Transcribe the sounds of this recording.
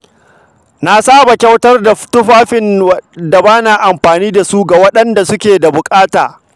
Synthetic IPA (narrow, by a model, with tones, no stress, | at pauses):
na˦saː˦ba˨kʲɐ˦wtɐ˦rda˨˦tʊ˦ɸaː˦ɸɪ˨nda˨baː˦naː˨ʔa˨mɸaː˨niː˦da˨su˦ɡa˨wɐ˦ɗɐ˦nda˨sʊ˦kʲeː˨da˨bʊ˨kʼaː˦taː˨